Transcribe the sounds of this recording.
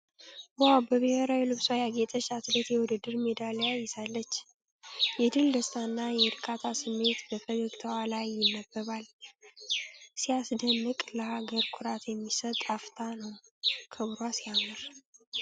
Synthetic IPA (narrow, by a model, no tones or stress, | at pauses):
wawbəβɨheɾajilɨβsajaɡet̪ʼəʃat̪bet̪jɛwʊd̪ɨd̪ːɨɾmed̪alejajɛsalːət͡ʃː | jɛd̪ɨld̪əst̪ʰanːajɛɾkʰat̪ʰasɨmːe̞t̪bəfəɡəɡt̪ʰəwalajːɪnːəbːəβal | sijasd̪ənːɨkʼləhaɡəɾkʰʊɾat̪jɛmːisət̪ʼaft̪ʰanəwkʰɨβɾwasiamɨɾ